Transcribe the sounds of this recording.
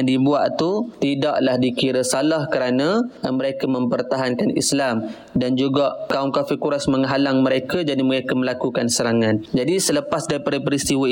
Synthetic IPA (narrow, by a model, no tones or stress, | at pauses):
ŋdibuaʔt̪ut̪idaʔlahdikiɾəsalahkəɾanãməɾekamə̃mpərt̪aɦankanḭslam | dand͡ʒuɡaʔkaumkafirkuɾasməŋəɦalaŋməɾekad͡ʒadiməɾekaməlakukansəɾaŋãnd͡ʒadisələpasdaɾipadapəɾist̪iwə